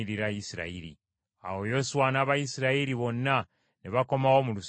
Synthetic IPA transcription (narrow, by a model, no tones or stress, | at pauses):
iɾiɾajisiɾa̰iɾḭ | a̰wo̞jo̞suwanaːβajisiɾaiɾiβo̞nːa | niβako̞mawo̞mulus